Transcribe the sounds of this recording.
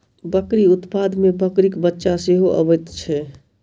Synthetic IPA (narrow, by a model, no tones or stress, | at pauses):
bəkɾiʊt̪pad̪mebəkɾikbətːʃaseɦoʔə̰bət̪t͡ʃʰɛ